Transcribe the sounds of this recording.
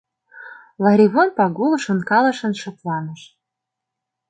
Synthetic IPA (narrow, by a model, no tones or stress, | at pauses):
lɑɾʲiβonpɑɡulˠɤ̆ʃɤ̆nkɑlˠɤ̆ʃɤ̆nʃɤ̆t̪lɑnɤ̆ʃ